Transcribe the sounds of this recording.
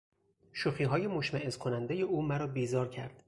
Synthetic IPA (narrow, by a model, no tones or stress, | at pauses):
ʃuxiːɦɒːje̞moʃmæezkʰonænd̪eje̞uːmæɾɒːbiːzɒːɾcʰæ̰ɾd̪̥